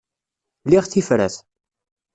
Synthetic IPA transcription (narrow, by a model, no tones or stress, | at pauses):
liʁθifɾæ̰θ